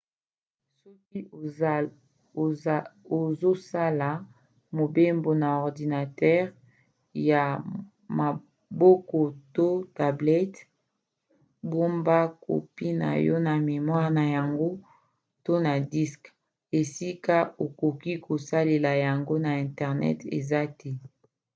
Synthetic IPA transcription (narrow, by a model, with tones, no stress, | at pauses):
sɔ˦k̚i˦ | o˨zo˦sa˦la˨ | mo˨be˦mbo˨na˨ɔ˨ʁdi˨na˨tɛ˦ʁ | ja˨ | ma˨ | bo˦kɔ˨to˦ta˨blɛ˦t | bo˦mba˦ko̰˨pi˦na̰˨jɔ̰˦na˨me˨mwa˦ʁna˨ja˨ŋɡo˦ | to˦na˨di˦sk | e˨si˦ka˦o˨ko˨ki˦ko˨sa˦le˨la˨ja˨ŋɡo˦na˨ɛ̃˨ntɛ˨ʁnɛ̰˦tḛ˨za˦tɛ˦